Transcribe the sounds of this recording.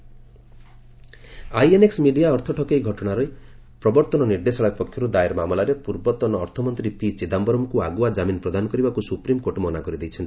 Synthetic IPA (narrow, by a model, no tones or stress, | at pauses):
ajeneksmiɖijaɔɾt̪ʰɔʈʰɔkejɡʱɔʈɔɽ̃aɾɔj | pɾɔbɔɾt̪ɔnɔniɾd̪esɔɭapɔkʰjɔɾud̪aeɾmamɔlaɾepuɾbɔt̪ɔnɔːɾt̪ʰɔmɔnt̪ɾipit͡ʃid̪ambɔɾɔmkuaɡuad͡ʒaminɔpɾɔd̪anɔkɔɾibakusupɾimkoʈmɔnakɔɾid̪ejt͡ʃʰɔnt̪i̥